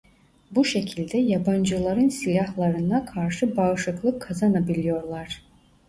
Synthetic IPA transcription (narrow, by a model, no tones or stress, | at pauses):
buʃe̞cʰilʲd̪ɛjaband͡ʒɯlˠaɾɯnsilʲahlˠaɾɯnakʰaɾʃɯbaɯʃˠɯklˠɯkʰːazanabilʲijo̞ɾlˠaɾ̥